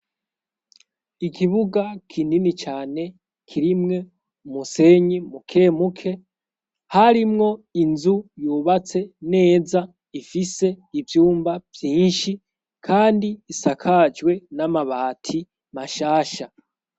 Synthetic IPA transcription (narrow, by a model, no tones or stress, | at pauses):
ikiβuɡakʰininit͡ʃaːne̞ | kʰiɾimŋe̞ | umuse̞ɲimukʰe̞ːmukʰe̞ | haɾimŋo̞inzujuβat͡se̞ne̞ːza | ifise̞ivjuːmbavjiːnʃi | kʰaːndiːsakʰad͡ʒwe̞namaβaːtʰi | maʃaːʃa